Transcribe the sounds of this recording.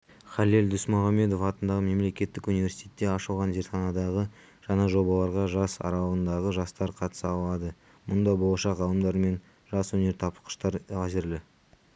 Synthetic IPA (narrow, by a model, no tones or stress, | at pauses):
χɑlild̪ʏsmʊʁɑmːe̞d̪o̞fɑt̪ənd̪ɑʁəme̞mle̞kʲe̞t̪ːɪkunijvʲe̞ɾsi̥t̪ʰʲe̞t̪ːe̞ɑʃəlˠʁɑnʒe̞ɾt̪χɑnɑd̪ɑʁə | ʒ̥ɑnɑʒo̞bɑlˠɑɾʁɑʒɑsɑ̰ɾɑlˠəʁənd̪ɑʁəʒɑst̪ɑɾqʰɑt̪ə̥səɑlˠɑd̪ə | mʊnd̪ɑbolˠɑʃɑʁʰɑlˠəmd̪ɑɾme̞n | ʒɑswɵne̞ɾt̪ʰɑpə̥qə̥ʃt̪ɑɾæʒɪɾlɪ